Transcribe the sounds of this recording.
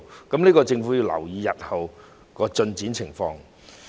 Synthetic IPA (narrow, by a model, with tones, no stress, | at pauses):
kɐ˨˦˥mniː˥kɔː˧t͡sɪ˧ŋfuː˨˥ji˧wlɐ̰˨˩wjiː˨˧jɐ˨t̚hɐ˨w | kɔː˧t͡ʃɵ˧nt͡siː˨˥nt͡sʰɪ˨˩ŋfɔː˧ŋ